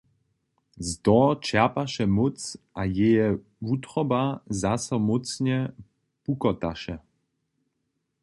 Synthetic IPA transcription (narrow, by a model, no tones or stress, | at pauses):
zd̪ɔt͡ʃɛɐpaʃɛmɔt͡sʔajɛjɛ | vut̪ɾɔbazasɔmɔt͡sɲɛ | pukɔt̪aʃɛ